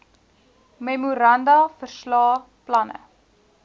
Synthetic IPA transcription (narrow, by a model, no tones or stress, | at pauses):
memuɾɐndɐfərslɑː | plɐnə̰